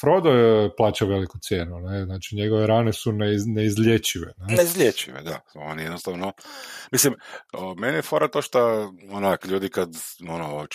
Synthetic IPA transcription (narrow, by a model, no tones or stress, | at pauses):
fɾod̪oplˠaːt͡ʃaʋe̞likut̪sje̞ːnuneznaːt͡ʃiɲe̞ɡoʋeɾaːnesuneneizʎʲet͡ʃiʋḛnaneizʎʲet͡ʃḭʋḛd̪a̰o̰nijed̪nost̪aːʋnomislimomenijefoɾat̪oʃt̪aonakʎuːd̪ikad̪ono